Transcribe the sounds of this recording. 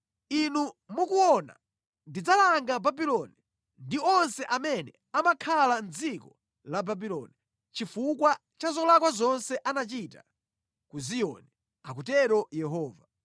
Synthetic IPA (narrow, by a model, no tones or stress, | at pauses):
inumukuɔna̰ | ndid͡zalaŋɡababilɔni | ndiɔnsɛʔamɛnɛ | amakʰaland͡zikɔ | lababilɔ̰ni | t͡ʃifukwa | t͡ʃazɔlakwazɔnsɛʔanat͡ʃita | kuzijɔ̰nɛ | ak̬utɛɾɔjɛɦɔːva